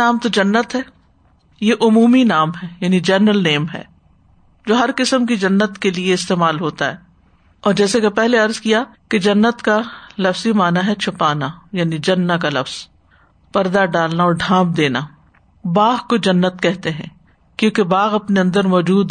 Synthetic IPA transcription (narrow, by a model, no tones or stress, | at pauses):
aːmt̪od͡ʒɐnːət̪ɦɛː | jeʔʊmuːminaːmɦɛjaːnid͡ʒɛːnɾəlneːmɦɛ̰ː | d͡ʒoːɦɐɾqɪsəmkid͡ʒɐnːət̪kelieɪst̪eːmaːlɦoːt̪aɦɛː | ɔːɾd͡ʒɛːsekepɛɦleɐɾzkijaked͡ʒɐnːət̪kalɐfzimaːnaɦɛt͡ʃʰʊpaːnajaːnid͡ʒɐnːak̬alɐfz̥ | pɐɾd̪aɖaːlnaɔːɾɖʱãːp̚d̪eːna | baːɣkod͡ʒɐnːət̪kɛɦt̪eɦɛ̰̃ː | kjõːkebaːɣɐpneɐ̃nd̪əɾmɔːd͡ʒuːd̪